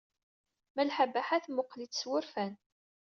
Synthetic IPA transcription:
mælħəbaħaθmʊqːlit͡sːswʊɾfæn

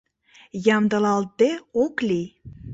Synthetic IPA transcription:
jɑmd̪ɤ̆lɑlt̪̚d̪eokli

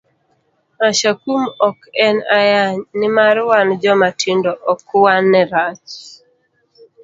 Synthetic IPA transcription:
aʃakumɔkɛnajaɲnɪmaɾwand͡ʒɔmatʰindɔʔɔkwanːɛɾat͡ʃ

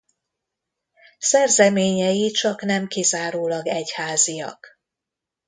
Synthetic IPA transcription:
sɛrzɛmeːɲɛjit͡ʃɒknɛmkizaːɾoːlɒɡɛchaːzijɒ̰k

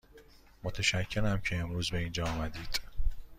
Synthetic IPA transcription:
mot̪ʰæʃæcʰːe̞ɾæmcʰe̞emɾuːzbe̞iːnd͡ʒɒːmæd̪iːd̪̥

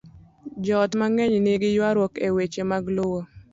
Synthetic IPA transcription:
d͡ʒɔtmaŋɛɲnɪɡɪjwaɾwɔkewet͡ʃemaɡlowo

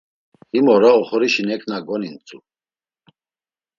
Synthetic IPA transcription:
imɔɾaɔχɔɾiʃinɛkʰnaɡɔnint͡sʼu

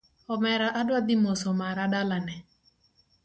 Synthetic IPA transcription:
ɔmɛɾaʔadwad̪ɪmɔsɔmaɾaɗalanɛ

